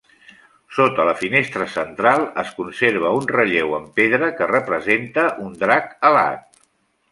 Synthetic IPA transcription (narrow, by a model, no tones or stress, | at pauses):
sot̪ələfinest̪ɾəsənt̪ɾalˠəskunseɾβ̞əunrəʎewəmpeðɾəkərəpɾəzent̪əʔund̪ɾakəla̰t̪̚